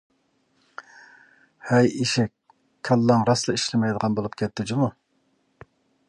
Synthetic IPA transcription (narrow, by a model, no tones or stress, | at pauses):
hɛjiʃɛkʲ | kʲʰːɑlˠːɑŋɾɑslˠɨiʃlɪmɛjd̪əʁɑnbolˠupkʲʰɛt̪ːɪd͡ʒɪmu